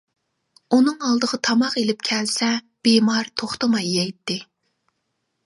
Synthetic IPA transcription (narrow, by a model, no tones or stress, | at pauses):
unɨŋɑlˠd̪əʁɑt̪ʰɑmɑqelɪp̚kʲʰɛlsɛ | b̥emɑɾt̪ʰoχt̪əmɑjːɛjt̪ːɪ